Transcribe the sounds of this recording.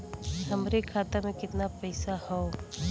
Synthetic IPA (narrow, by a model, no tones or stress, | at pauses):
ɦɐmɾekʰaːt̪amẽkɪt̪napɛːsahoo